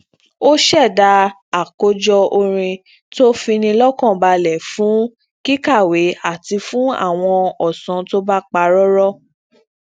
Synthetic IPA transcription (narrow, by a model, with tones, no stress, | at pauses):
o˦ʃɛ˦˨da˧ | a˨ko˨˧d͡ʒɔ˧o˧ɾ̃ĩ˧ | to˦fĩ˧nĩ˧lɔ˦kɔ̃˦˨ba˧lɛ˨fũ˨˦ | ki˦ka˦˨we˨˦a˦˨ti˧fũ˨˦a̰˦˨w̃ɔ̃˧ɔ˨sɔ̃˨˦to˦ba˦k͡pa˧ɾɔ˦ɾɔ˦